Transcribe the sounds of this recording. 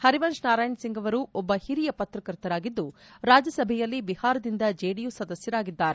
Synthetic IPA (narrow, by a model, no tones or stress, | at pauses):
hɐɾiʋɐnʃnaːɾaːjɳsiŋɡɐʋɐɾuʔɔbːɐhiɾijɐpɐt̪ɾɐkɐɾt̪ɐɾaːɡid̪ːuɾaːd͡ʒjɐsɐbʱɛjɐlːibihaːɾɐd̪ind̪ɐd͡ʒeːɽijusɐd̪ɐsjɐɾaːɡid̪ːaːɾe